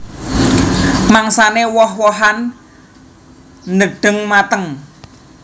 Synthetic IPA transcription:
maŋsanewɔhwɔɦan | nəɖ̥ə̤ŋmat̪əŋ

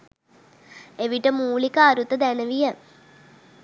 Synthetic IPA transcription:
eʋiʈːɐmuːɭikːaːɾut̪ːɐd̪enɐʋijɐ

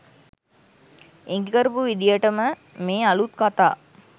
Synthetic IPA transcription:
eŋɡekɐɾpuʋid̪ijəʈɐmə | meːɐlut̪̚kɐt̪a̰ː

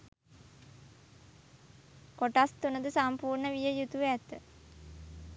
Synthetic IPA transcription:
koʈast̪unəd̪əsampuːrɳəʋijəjut̪uʋæt̪ə

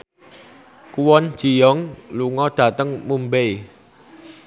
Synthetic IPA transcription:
kuwɔn̥d͡ʒ̥i̤jɔŋluŋɔd̪̥ä̤t̪əŋmumbej

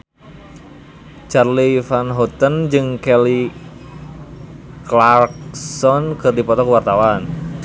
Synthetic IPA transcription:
t͡ʃarlifanɦɔt̪ənd͡ʒɨŋkɛli | klarksɔnkɨrdipɔt̪ɔkəwart̪awan

